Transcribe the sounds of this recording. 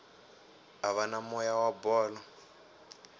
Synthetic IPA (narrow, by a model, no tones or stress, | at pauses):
aβanamɔjawabɔːlɔ